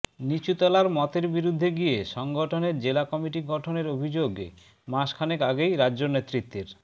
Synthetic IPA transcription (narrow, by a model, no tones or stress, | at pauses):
nit͡ɕut̪ɔlaɾmɔt̪eɾbiɾud̪ʱːeɡijeʃɔŋɡoʈʰoneɾd͡ʑelakɔmiʈiɡɔʈʰoneɾobʱid͡ʑoɡ | maʃkʰanekaɡejɾaːonet̪ːɾit̪ːeɾ